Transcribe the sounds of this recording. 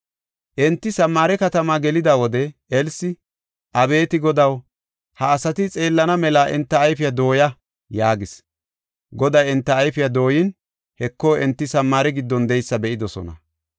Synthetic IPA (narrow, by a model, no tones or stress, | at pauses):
ʔɛnt̪ːɪsɐmːaːɾɛkɐt̪ɐmaːɡɛlɪd̪awɔd̪ɛɛlsɪ | ʔɐbe̞ːt̪ɪɡɔd̪ɐw | hɐːsɐt̪ɪt͡sʼe̞ːlːɐnɐmɛlaːʔɛnt̪ːɐːjfɪjad̪o̞ːjɐ | jaːɡɪs | ɡɔd̪ɐjɛnt̪ːɐːjfɪjɐd̪o̞ːjɪn | hɛkːo̞ːʔɛnt̪ːɪsɐmːaːɾɛɡɪd̪ːɔnd̪ɛjsːɐbɛʔɪd̪ɔsɔ̰nɐ̰